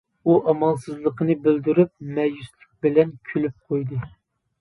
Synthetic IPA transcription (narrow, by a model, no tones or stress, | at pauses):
uʔɑmɑlˠsɨzlˠəqʰənɨbɪld̪yɾyp̚mɛjyslɪk̚ʲbɪlɛnkʲʰylyp̚qʰojd̪ɨ